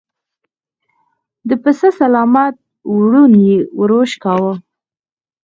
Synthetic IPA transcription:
d̪əpəsəsalɑmat̪̚ | wɽunjewəɾoʃkɑwə

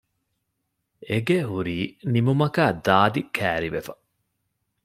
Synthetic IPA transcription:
eɡeɦuɾiːnimumɐkaːd̪aːd̪ikʰæːɾiʋefɐ̥

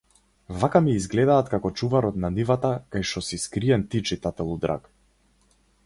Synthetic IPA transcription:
vakamiːzɡlɛd̪aːt̪kakɔt͡ʃuvaɾɔt̪nanivat̪akajʃɔsiskɾiɛnt̪it͡ʃit̪at̪ɛlˠud̪ɾa̰k

